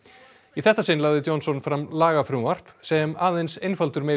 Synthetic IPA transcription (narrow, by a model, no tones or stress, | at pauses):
iθɛht̪ːasɪːnlaːwðɪt̪jɔnsɔnfɾamlaːɣafɾʏvar̥psɛmaːðejnsejnfalt̪ʏɾmeː